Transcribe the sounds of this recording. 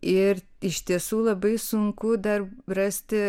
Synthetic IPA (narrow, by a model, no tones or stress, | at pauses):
ɪɾ | ɪʃt̪ʲiɛsuːlˠɐbɐɪsʊŋkʊd̪ɐɾrɐsʲt̪ʲɪ